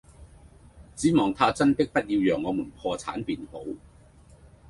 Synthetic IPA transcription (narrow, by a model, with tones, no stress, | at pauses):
t͡siː˨˥mɔː˨ŋt̪ʰaː˧t͡sɐ˥nt̪ɪ˥k̚pɐ˥t̚jiː˧wjœː˨˩ŋːɔː˨˧muː˨˩npʰɔː˧t͡sʰa̰ː˨˥npiː˨nho˨˥w